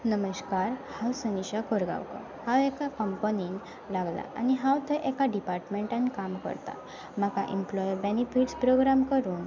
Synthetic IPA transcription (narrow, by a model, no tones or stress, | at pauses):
nəməɕkaɾhawsəniɕakʰoɾɡa̰wkɔ̰ | hawekakəmpənin | laɡla̰a̰niɦãwt̪ʰəʔekaɖipaɾʈmeɳʈãnkamkə̰ɾt̪a̰ | m̤akaʔimplɔjbenifiʈspɾoɡɾamkəɾuːn